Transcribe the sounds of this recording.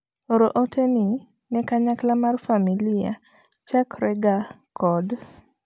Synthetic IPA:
oɾoʔotʰeni | nɛkaɲaklamarfamilia̰ | t͡ʃakɾɛɡa | kʰɔd

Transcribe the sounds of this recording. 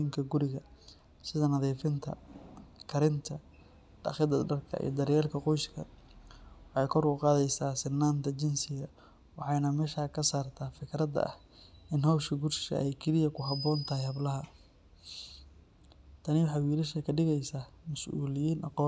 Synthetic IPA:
iːŋkʰɐɡʊɾɪɣɐ | sɪðɐnɐðiːfɪnt̪ʰɐ̰kʰɐɾɪnt̪ʰɐ | ɖ̥ɑ̰χɪd̪ɐɖɐrkʰɐ̰ḭjɔd̪ɐɾjɛːlkʰɐqɔjskɐ̰ | wɑħɑjkʰɔɾkʊqɑːðɛjsaːsɪnːaːnt̪ʰɐt͡ʃɪnsɪɣɐ | wɑħɑjnɐmɛːʃaːkʰɐsaːrt̪ʰaːfɪkɾɐd̪ɐ̰ʔɐ̰h | ʔɪnɦɐwʃɐɡʊrʃɐ̰ʔɛjkʰɪlɪjɐkʰʊɦɐbɔːnt̪ʰɐɦɛjhɐblɐɦɐ | t̪ʰɐnɪwʊħɑwiːlɐʃɐkʰɐɖɪɣɛjsaːmɐsʔṵːlɪjiːnɑ̰qɔː

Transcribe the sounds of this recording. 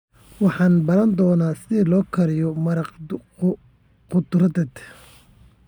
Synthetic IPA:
wɑħɑːnbɐɾɐnd̪ɔːnaːsɪðilɔːkʰɐɾɪjɔmɐɾɑq | qʊd̪ʊɾd̪ɛd̪

